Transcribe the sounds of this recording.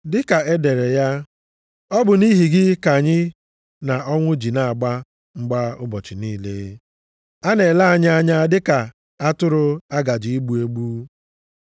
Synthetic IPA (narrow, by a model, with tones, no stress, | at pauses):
dɪ˦ka˨e˦de˨ɾe˨ja˦ | ɔ˦bʊ˨ni˦ɦi˨ɡɪ˦ka˨ɲɪ˦ | na˨ɔ˦ŋʷʊ˦d͡ʒi˨na˨a˨ɡ͡ba˦ | ŋ͡m̩˦ɡ͡ba˦ʊ˦bɔ˨t͡ʃɪ˨niː˦lḛ˦ | a˦ne˨la˦a˨ɲa˦a˦ɲa˦dɪ˦ka˨ | a˦tʊ˦ɾʊ˦a˦ɡa˨d͡ʒi˨i˦ɡ͡bu˨e˦ɡ͡bu˦